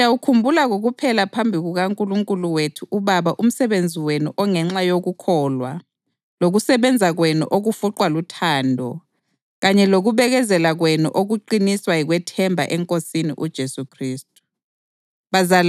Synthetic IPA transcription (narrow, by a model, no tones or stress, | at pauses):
awukʰumbʱulaɣoɣupʰɛlapʰambʱiɣuɣaŋkʼuluŋkʼuluwetʰuʔuβaβaʔum̩sɛβend͡zʱiwenuʔɔŋɛŋ͡ǁajoɣukʰɔːlwa̰ | loɣusɛβɛnd͡zʱaɣwɛnṵʔoɣufuǃwalutʰaːndʱɔ | ɣaɲɛloɣuβɛɣɛzɛlaɣwɛnṵʔoɣuǃiniswaiɣwɛtʰɛmbʱa̰ʔɛŋkʼosinḭʔud̥ʒ̥ʱesukʰriːstʼu̥ | βazal